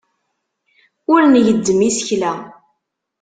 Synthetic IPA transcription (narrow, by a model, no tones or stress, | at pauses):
ʊɾnjəd̪ːəmisəçlæ